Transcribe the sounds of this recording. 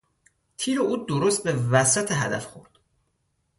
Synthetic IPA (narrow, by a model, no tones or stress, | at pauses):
t̪ʰiːɾeʔuːd̪oɾost̪̚bevæsæt̪ʰeɦæ̰d̪æ̰fxo̰ɾd̪̥